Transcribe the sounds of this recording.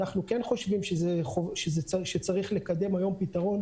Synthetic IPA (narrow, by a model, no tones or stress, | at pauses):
aχnukenχo̞ʃvimʃezeχoʃezeʃet͡saʁiχle̞kad̪e̞majo̞mpitaʁo̞n